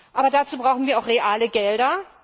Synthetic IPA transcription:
ʔaːbɐdat͡suːbʁaʊxn̩viːɐaʊxʁ̥eʔaːləɡɛldɐ

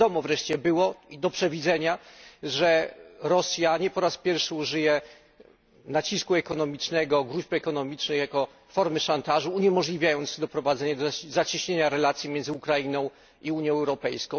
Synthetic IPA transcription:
ɔmɔvɾɛʂt͡ɕɛbɘwɔid̪ɔpʂɛvʲid̪zɛɲaʐɛɾɔsʲjaɲɛpɔɾaspʲjɛɾfʂɘuʐɘjɛ | nat͡ɕiskuɛkɔnɔmʲit͡ʂnɛɡɔɡɾuʑpɛkɔnɔmʲit͡ʂnɘxjakɔ | fɔɾmɘʂant̪aʐuːɲɛmɔʐlʲivʲjajɔnt̪sd̪ɔpɾɔvad̪zɛɲad̪zat͡ɕiɕɲeɲaɾɛlat̪sʲjimʲjɛnd̪zɘukɾainɔ̃w̃ | iuɲjɔ̃wɛwɾɔpɛjskɔ̃w̃

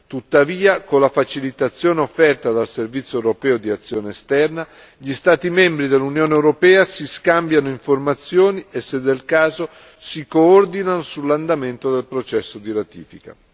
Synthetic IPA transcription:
t̪ut̪ːaviːakolːafat͡ʃilit̪at̪sːjoːneofːɛrt̪ad̪alservit̪sːjoewɾopɛːod̪iat̪sːjoːneest̪ɛrna | ʎist̪aːt̪imɛmbɾid̪elːunjoːneewɾopɛːasiskambjanoiɱformat̪sːjoːniesːed̪ːelkaːzo | sikoord̪inanosulːand̪ament̪od̪elpɾot͡ʃɛsːod̪iɾat̪ḭːfika̰

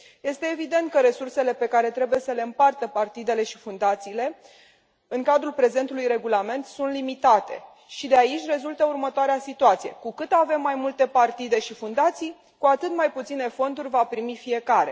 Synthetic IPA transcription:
je̞st̪e̞ːvid̪e̞nt̪̚kəɾe̞sursele̞pe̞kaɾe̞t̪ɾe̞buje̞səle̞ɨmpart̪əpart̪id̪e̞le̞ʃifund̪at̪siːle̞ | ɨŋkad̪ɾulpɾe̞ze̞nt̪ulujɾe̞ɡulame̞nt̪sunt̪limit̪at̪e̞̰ | ʃid̪eait͡ʃʲre̞zult̪əurmət̪oaɾeasit̪uat̪sijekukɨt̪ave̞mːajmult̪e̞part̪id̪e̞ʃifund̪at̪sij | kuat̪ɨt̪majput̪sine̞fo̞nd̪urʲvapɾimifije̞kaɾe̞̰

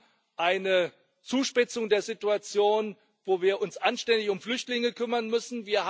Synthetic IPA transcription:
ʔaɪnə | t͡suːʃpɪt͡sʊŋdeːɐzɪtuat͡sjoːn | voːviːɐʔʊnsʔanʃtɛndɪçʊmflʏçtlɪŋəkʰʏmɐnmʏsn̩viːɐh

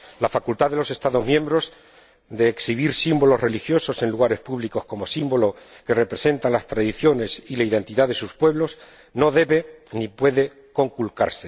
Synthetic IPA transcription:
lafakult̪aðe̞lo̞se̞st̪aðo̞zmjẽmbɾo̞z | d̪e̞ːksiβ̞iɾsimbo̞lo̞zre̞lixjo̞so̞se̞nluɣ̞aɾe̞spuβliko̞sko̞mo̞simbo̞lo̞ke̞re̞pɾe̞se̞nt̪anlast̪ɾaðiθjo̞ne̞silaiðe̞nt̪iðaðe̞suspwe̞β̞lo̞s | no̞ðe̞βe̞nipwe̞ðe̞ | ko̞ŋkulka̰ɾse

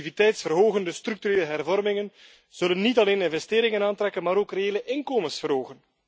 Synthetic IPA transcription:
ivitɛjtsfərɦoːɣəndəstɾyk̚tyɾeːləɦɛrvɔrmɪŋən | z̥ɵlənːitɑleːnɪnvɛsteːɾɪŋənaːntɾɛkənmaːɾoːkrejeːləʔɪnkoːmənsfərɦoːɣən

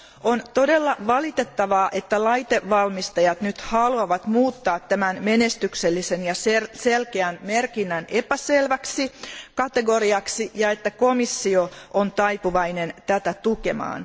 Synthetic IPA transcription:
ont̪o̞delːɑʋɑlit̪et̪ːɑʋɑːʔe̞t̪ːælɑjt̪eʋʋɑlmist̪ɑjɑt̪nyt̪hɑluɑʋɑt̪muːt̪ːɑːt̪tæmænmenest̪ykselːisenjɑseselkeænmerkinːænʔepæselʋæksikɑt̪eɡoriɑksijɑet̪ːækomisːioʔont̪ɑipuʋɑinent̪æt̪æt̪ukemɑ̰ːn

